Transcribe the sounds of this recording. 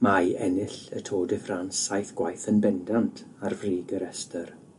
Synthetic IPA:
majɛnɪɬə̰tʰoːdɪfransajθɡ̥wajθənbɛndantʰarvriːɡəɾɛstʰər

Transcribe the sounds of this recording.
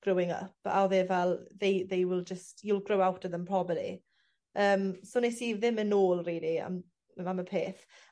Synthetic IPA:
ɡ̥rʊwɪŋə̰pa̰wðevɛlˠðejðejwɪlˠd͡ʒəstilˠɡrowawtʰəðəmpʰr̥ɔbəlḭ | əːmsonesiðɪmənoːlˠreːdia̰m | aməpʰeːθ

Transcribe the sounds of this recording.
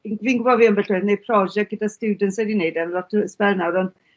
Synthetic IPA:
nviːnɡʊbɔdviːəmbɛɬoɨðnej̚pʰrɔd͡ʒɛɡ̥ədastuːdəntsɛdinejdɛnlɔtʰəspɛlnawɾɔnd̥

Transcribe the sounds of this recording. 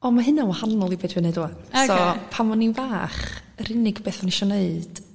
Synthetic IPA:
ɔmaɦɨnanwahanɔlˠibedwɨneduansɔpʰamɔninvaːχrɪnɪɡb̥eːθɔnɪʃɔneɨd̥

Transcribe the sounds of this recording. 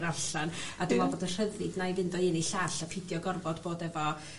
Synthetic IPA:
ɾarɬanadɪmɔboːdər̥əðrɨdnajvɪndɔɪniɬaːɬapʰɪdjɔɡɔrbɔdboːdɛvɔ

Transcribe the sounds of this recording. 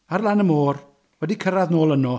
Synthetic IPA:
arlˠanəmoːr | wɛdikʰəɾaðnoːlˠənɔ

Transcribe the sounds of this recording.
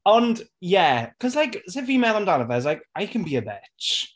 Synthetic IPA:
ə̃ndjɛkʰʌzlaɪksɪvimɛðãmndanəvəɪzlaɪkaɪkʰə̃nbiəbɪt͡ʃ

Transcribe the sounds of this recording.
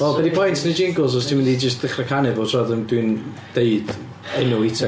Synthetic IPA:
ɔbɛdipʰɔjntʰnid͡ʒɪŋɡʊlˠs̬ɔstʰinmɪndid͡ʒəs̬tð̥ɪχrəkʰanɨvɔtʰrɔðəndwin | d̥eɨd | ɛnʊɪtʰɛ

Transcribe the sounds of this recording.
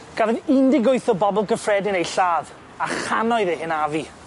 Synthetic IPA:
ɡ̥avɪindɪɡʊjθɔbɔbɔlˠɡəfrɛdɪnejɬaːð | aχanɔɨðehɪnavi

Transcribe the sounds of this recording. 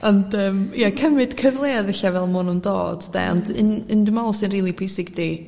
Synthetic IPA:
ɔndəːmiakʰəmɨd̥kʰəvlˠeːaðəɬavɛlˠmʊːnumndo̰ːd̥d̥ɛ̰ɔ̰ndɪnɪndumɔlˠsinriːlˠipʰuɪsɪɡdi

